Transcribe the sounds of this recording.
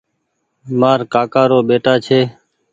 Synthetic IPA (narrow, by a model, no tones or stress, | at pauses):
maːɾkaːkaːɾoːɓeːʈaːt͡ʃʰeː